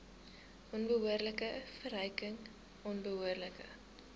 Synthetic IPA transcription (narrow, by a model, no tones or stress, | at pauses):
ʔɔnbəɦuərləkəfəɾəjkəŋ | ɔnbəɦuərləkə̰